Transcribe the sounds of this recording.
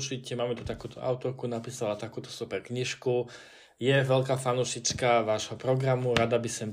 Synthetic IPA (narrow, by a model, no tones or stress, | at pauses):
t͡ʃicɛmaːmɛt̪ut̪akuːt̪ɔʔaʊt̪ɔɾkunapiːsalat̪akuːt̪ɔ̥supɛɾkɲiʃku | jɛʋɛlkaːfanuʃit͡skaʋaːʒɦɔpɾɔɡɾamuɾad̪abisɔm